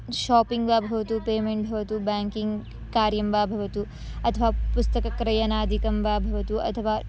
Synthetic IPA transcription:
ʃaːpiŋɡʋaːbʱɐʋɐt̪upeːmeɳʈ̚bʱɐʋɐt̪ubaːŋkiŋɡ | kaːɾjɐmʋaːbʱɐʋɐt̪u | ɐt̪ʰɐʋaːpust̪ɐkɐkɾɐjɐnaːd̪ʱikɐmʋaːbʱɐʋɐt̪uʔɐ̰t̪ʰɐʋaː

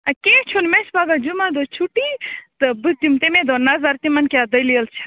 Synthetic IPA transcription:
ɐket͡ʃʰunmesbaɡad͡ʒumad̪ot͡ʃʰuʈit̪ɨbɨd̪umt̪emẽd̪onazaɾt̪imɐnkad̪əjliəlt͡ʃʰe̥

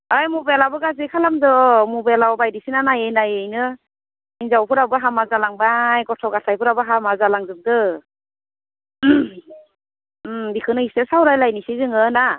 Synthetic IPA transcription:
ajmubelabɯɡazɯkʰalamdɯmubelawbajdisinanajejnajejnɯ | inzawpʰɯɾabɯɦamazalaŋbajɡɔtʰɔwɡatʰajpʰɯɾabɯɦamazalaŋzɯp̚dɯ | bikʰɯnɯistesawɾajlajnisizɯŋɯna

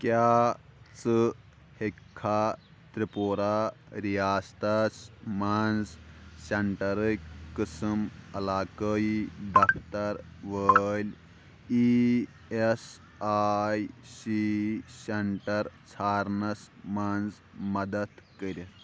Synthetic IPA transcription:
kja | t͡sɨ | hekʰːa | t̪ɾipoɾa | ɾijaːst̪ɐsmand͡zɕɐɳʈɐɾəjkəsɨmɐlaːkəiɖ̪ɐfʰt̪ɐɾʋəlʲ | i | es | ajsiseɳʈɐɾt͡sʰaɾnɐsmand͡z | mɐd̪ɐt̪kəɾʲit̪

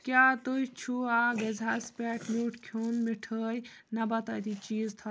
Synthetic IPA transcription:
kʲjaːt̪ujt͡ʃʰuaːɡɐzʱaːspʲɛːkmuːʈkʰjuːnmiʈʰəːj | nɐbɐt̪aːt̪it͡ʃiːzt̪ʰa

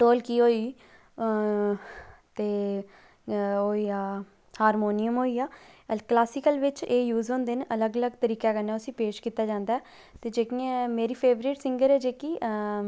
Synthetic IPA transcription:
ʈoːlkiːɦoːiː | t̪eː | oːiːaː | haːɾmoːnijəmɦoːiːaːklaːsɪkəlʋɪt͡ʃeːjuːzõːnd̪eːnʔələɡələɡt̪əɾiːkeːkənːeːʊsĩːpeːʃkiːt̪ːaːd͡ʒãːnd̪aːɛː | t̪eːd͡ʒeːkiːɛmeːɾiːpʰeːʋɾiːʈsɪ̃ŋɡəɾɛːd͡ʒeːkiː

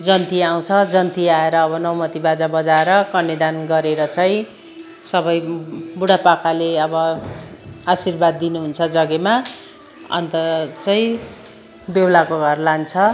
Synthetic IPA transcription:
d͡zʌnt̪iaw̃t͡sʰʌd͡zʌnt̪iaeɾʌːbʌnʌwmʌt̪ibad͡zabʌd͡zaeɾʌkʌnːed̪anɡʌɾeɾʌt͡sʌĩ | sʌbʌjbuɽapakʰaleʌbʌ | asirbad̪ːinuɦunt͡sʰʌd͡zʌɡema | ʌ̰nt̪ʌt͡sʌĩ | bewlakoɡʱʌrlant͡sʰʌ

